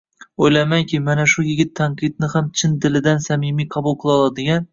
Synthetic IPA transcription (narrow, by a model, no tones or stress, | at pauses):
ojlamaŋkʲʰɪmanaʃʊjɪɡʲɪt̪ʰːaɴqʰɨd̪̚nɪhamt͡ʃʰɪnd̪ɪlɪd̪ansamimijqʰɑbʊlˠqʰɨlˠɒlˠad̪ɪɡʲan